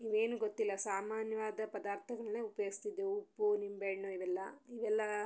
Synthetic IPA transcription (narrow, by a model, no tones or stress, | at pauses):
iʋe̞ːnuɡot̪ːilːɐsaːmaːnjɐʋaːd̪ɐpɐd̪aːɾt̪ʰɐɡɐɭneːupjoɡist̪id̪ːeupːunimbeɳoiʋɛlːɐiʋɛlːɐ